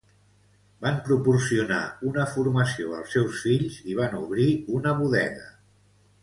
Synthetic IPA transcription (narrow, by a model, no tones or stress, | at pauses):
bampɾupursiuna̰unəfuɾməsioə̰lˠsɛwsfiʎziβ̞anuβ̞ɾiunəβ̞uðɛ̰ɣə